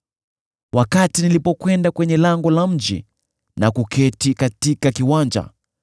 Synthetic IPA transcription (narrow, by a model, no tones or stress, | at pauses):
wʔakatinilipɔkwɛndakwɛɲɛlaŋɡɔlam̩d͡ʒḭ | nakukʰɛtikatikakiwaɲd͡ʒa̰